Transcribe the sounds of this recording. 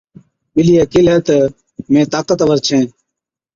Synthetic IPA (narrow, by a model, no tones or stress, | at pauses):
ɓɪlijakɪːlɦɛːt̪ə | mẽːt̪aːkət̪əʋəɾt͡ʃʰẽː